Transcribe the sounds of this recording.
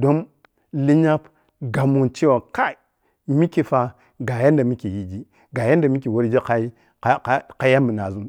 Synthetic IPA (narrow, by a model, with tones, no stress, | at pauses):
do˦m | li˦ɲa˦p | ɡa˨mu˨nt͡ʃi˦wa˨ka˦˨ | mi˦ki˨fa˨ | ɡa˨ja˦nda˨mi˦ki˨ji˨d͡ʒi˦ | ɡa˨ja˦nda˨mi˦ki˨wo˦ɾd͡ʒi˦ka˦i˦ | a˦ka˦ja˦mi˨na˨zu˦n